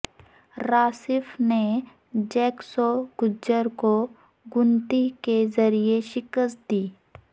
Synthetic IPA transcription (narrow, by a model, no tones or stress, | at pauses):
ɾaːsɪfʰne | d͡ʒɛːksoɡ̥ʊd͡ʒːəɾko | ɡʊnt̪ikezəɾieʃɪkəst̪̚d̪iː